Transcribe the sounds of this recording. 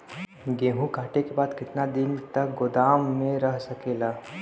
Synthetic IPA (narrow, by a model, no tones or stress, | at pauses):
ɡẽːɦũkaːʈekebaːd̪kɪt̪nad̪ɪnt̪ɐk̚ɡʊd̪aːmːẽɾɐɦsɐkeːlaː